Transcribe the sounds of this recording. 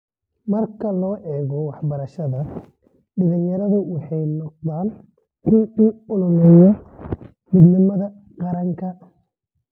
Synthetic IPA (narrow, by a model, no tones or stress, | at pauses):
mɐrkʰɐlɔːʔɛːɣɔwɑħbɐɾɐʃɐðɐ | ɖɪlɪnjɐɾɐðʊwɑħɑjnɔq̚ðaːn | ʔɪnʊʊlʊlɛjɔ | mɪd̪nɪmɐðɐ | qɑɾɐŋkʰɐ